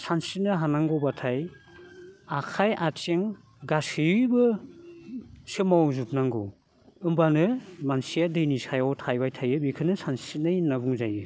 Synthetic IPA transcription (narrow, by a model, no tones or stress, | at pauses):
sansinɯɦanaŋɡɔbatʰaj | akʰajʔat͡ʃeŋ | ɡasɯbɯ | sɯmawzup̚naŋɡɔ̰ | ɯmbanɯmansijadɯjnisajawtʰajbajtʰajɯbikʰɯnɯsansinɯjnabuŋzajɯ